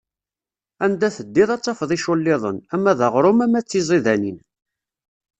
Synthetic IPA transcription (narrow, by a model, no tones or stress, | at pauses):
ænd̪æθəd̪ːiðˤɑt͡sːɑfðˤiʃʊlːɪðˤə̰næmːæðəʁɾˤʊmæmæt͡sːizˤiðænin